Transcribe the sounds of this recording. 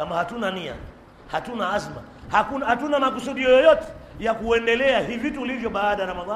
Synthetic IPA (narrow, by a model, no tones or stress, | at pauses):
amahatunania̰ | hatunaazma̰ | hakunhatunamak̬usuɗiɔjɔjɔtɛ̥jakuɛndɛlɛahivituːlivjɔɓaːɗaɾamaa